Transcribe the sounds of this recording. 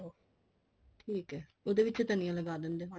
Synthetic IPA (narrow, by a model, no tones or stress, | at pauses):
ʈʰiːkɦɛːod̪eːʋɪt͡ʃt̪ənĩjãːləɡaːd̪end̪eːɦo